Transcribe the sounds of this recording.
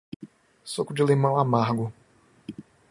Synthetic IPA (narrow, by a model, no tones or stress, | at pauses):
sokʊd͡ʒɪlemɐ̃w̃amaɾɡʊ